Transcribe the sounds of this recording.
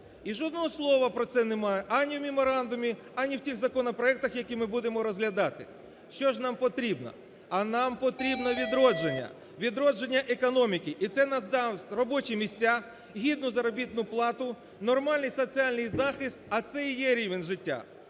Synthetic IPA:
iʒɔd̪nɔɦɔslˠɔʋɐpɾɔt̪sɛnemɑjɛʔɑnʲiwmʲɪmɔɾɑnd̪ʊmʲi | ɐnʲiwtʲiɣzɐkɔnɔpɾɔɛk̚t̪ɐxjɐkʲimɪbud̪emɔɾɔzɦlʲɐd̪ɑt̪ɪ̰ | ʃt͡ʃɔʒnɑmpɔt̪ɾʲibnɔ̰ | ɐnɑmpɔt̪ɾʲibnɔʋʲid̪ɾɔd͡ʒenʲːɐ̰ | ʋʲid̪ɾɔd͡ʒenʲːɐʔekɔnɔmʲikʲiʔit̪sɛnɑzd̪ɑwrɔbɔt͡ʃimʲisʲt͡sʲːa | ɦʲid̪nʊzɐɾɔbʲit̪nʊplˠɑt̪ʊ | nɔrmɑlʲnɨjsɔt͡sʲialʲnɪjzɑxɪst̪ɐt̪sɛjjɛɾʲiʋenʲʒɪtʲːa̰

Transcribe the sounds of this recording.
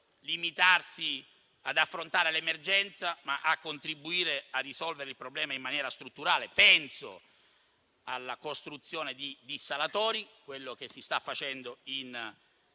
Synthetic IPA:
limit̪arsi | ad̪afːɾont̪aːɾelemerd͡ʒɛnt̪samaʔakːont̪ɾibːuiːɾearːisɔlveɾeɪilpɾoblɛːmaimːanjɛːɾast̪ɾut̪ːuɾaːlepɛnso̰ | a̰lːakost̪ɾut̪sːjoːned̪id̪isalat̪ɔːɾikwelːok̟esːist̪afːat͡ʃɛnd̪oin

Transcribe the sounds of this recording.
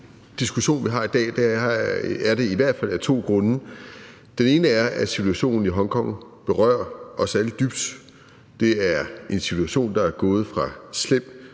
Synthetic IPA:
d̥isɡ̥uɕo̝̰ːnʋiɦɑ̈id̥ɛ̰ːd̥æ | æɐɾe̝iʋæɐ̰d̥fæl̰æɐt͡sʰo̝̰ːɡ̥ʁɔ̽nə | d̥ene̝ːnəæɐæsit͡sʰuæɕo̝̰ːnn̩iɦɒ̽ŋkʰɒ̽ŋ̰b̥e̝ʁɶ̰ːɐʔɒ̽sæləd̥yb̥d̥ | d̥e̝æɐe̝nsit͡sʰuæɕo̝̰ːnd̥ɑ̈æɐɡ̥ɔ̽ːð̞̩ˠfʁɑ̈slem̰

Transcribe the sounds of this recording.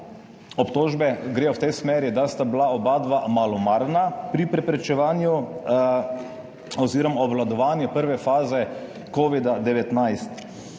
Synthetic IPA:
ɔpt̪oːʒbɛɡɾeːjɔwt̪ɛjsmɛːɾid̪ast̪ablaɔbaːd̪ʋamalɔmaɾnapɾipɾɛpɾɛt͡ʃɛʋaːnju | ɔziɾɔmaɔbʋlad̪ɔʋaːnjɛpəɾʋɛfaːzɛ | koːʋid̪ad̪ɛʋɛt̪najst̪

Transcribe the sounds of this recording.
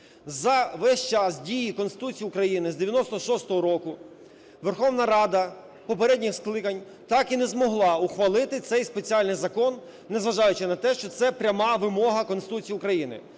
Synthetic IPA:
zɐʋɛʃʲt͡ʃɑsdʲijikɔnsɪ̥t̪ut͡sʲijiʊkɾɐjinɪzd̪eʋʲjɐnɔst̪ɔʃɔst̪ɔɦɔɾɔkʊ | ʋerxɔwnɐɾɑd̪ɐ | pɔp̬eɾɛdʲnʲɪxsklˠɪkɐnʲ | t̪ɑkinɛzmɔɦlˠɑʊxʋɐlˠɪt̪ɪt̪sɛjspet͡sʲialʲnɪjzɐkɔnː | ezʋɐʒɑjʊt͡ʃɪnɐt̪ɛʃt͡ʃɔt̪sɛpɾʲɐmɑʋɪmɔɦɐkɔnsɪt̪ut͡sʲijiʊkɾɐjinɪ̰

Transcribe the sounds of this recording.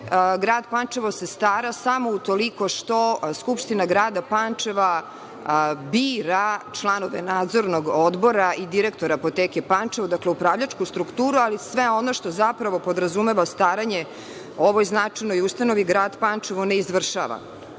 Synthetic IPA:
ɡɾaːd̪pant͡ʃeʋo̞sest̪aːɾasamo̞ut̪o̞liko̞ʂt̪o̞skupʃt̪inaɡɾaːd̪apant͡ʂeʋa | biːɾat͡ʃlˠano̞ʋḛnaːd̪zo̞ɾnoɡod̪bo̞ɾaid̪iɾek̚t̪o̞ɾaːpot̪eːkepant͡ʃeʋod̪akleupɾaːʋʎat͡ʂkust̪ɾukt̪uːɾualisʋeo̞no̞ʃt̪o̞zapɾaʋo̞po̞d̪ɾazumeʋast̪aːɾaɲe | o̞ʋojznat͡ʂajnojust̪ano̞ʋiɡɾaːd̪pant͡ʂeʋoneizʋr̩ʃa̰ʋa̰

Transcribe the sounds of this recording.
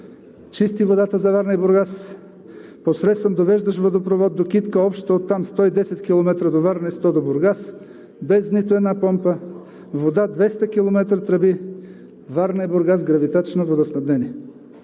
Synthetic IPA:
t͡ʃist̪ivod̪at̪əzɐvaɾnəiboɾɡas | posɾɛt̪svɐmd̪ovɛʒd̪əʃvod̪opɾovɔd̪̚ːokit̪kəɔpʃt̪əot̪ːamst̪ɔid̪ɛsɛt̪kʲilˠomɛt̪ɾəd̪ovaɾnist̪ɔd̪oboɾɡas | bɛznit̪oɛd̪napɔmpə | vod̪ad̪vɛst̪ɐk̟ilˠomɛt̪ɾət̪ɾɐbi | vaɾnɐiboɾɡazɡɾɐvit̪at͡ʃnovod̪ɐsnɐbnɛniɛ

